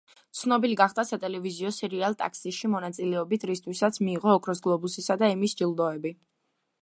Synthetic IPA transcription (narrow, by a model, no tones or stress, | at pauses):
t̪sʰnɔbiliɡaχd̪asat̪ʼɛlɛviziɔsɛɾialˠt̪ʼa̰ksiʃimɔnat̪sʼilɛɔbit̪ʰɾist̪ʰwisat̪sʰmiːʁɔːkʰɾɔsɡlˠɔbusisad̪aimisd͡ʒilˠd̪ɔɛbi